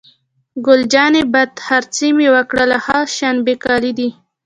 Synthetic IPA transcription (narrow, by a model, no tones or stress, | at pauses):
ɡʊld͡ʒɑnebat̪haɾt͡simewəkɽəlahaʃanbekɑlid̪i